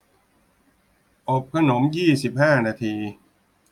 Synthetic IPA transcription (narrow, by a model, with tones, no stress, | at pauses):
ʔo˨˩p̚kʰa˧no˩˦mjiː˥˩si˨˩p̚haː˥˩naː˧t̪ʰiː˧